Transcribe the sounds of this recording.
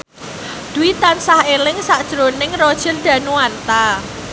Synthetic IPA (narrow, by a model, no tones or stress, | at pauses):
d̪̥ṳit̪ansahelɪŋsaʔd̥ʒ̥ɾonɪŋrod̥ʒ̥ə̤rd̪̥ä̤nuwant̪a